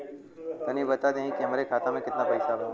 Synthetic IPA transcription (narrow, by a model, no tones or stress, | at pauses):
t̪ənĩbət̪ad̪ãɦĩkeməɾekʰat̪amẽkɪt̪napəjsaʋ